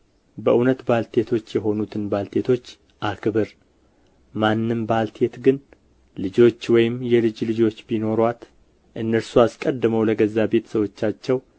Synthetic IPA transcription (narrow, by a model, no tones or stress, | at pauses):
bəʔunət̪balt̪ʰe̞t̪ʰo̞t͡ʃːjɛɦo̞nut̪ʰɨnbalt̪ʰe̞t̪ʰo̞t͡ʃː | ʔakʰɨbɨɾ | manːɨmbalt̪ʰe̞t̪ɡɨn | lɨd͡ʒo̞t͡ʃːwɔjɪmjɛlɨd͡ʒlɨd͡ʒo̞t͡ʃːbino̞ɾwat̪ | ʔɨnːəɾsuaskʼəd̪ːɨməwləɡəzːabe̞t̪səwo̞t͡ʃːat͡ʃːɛw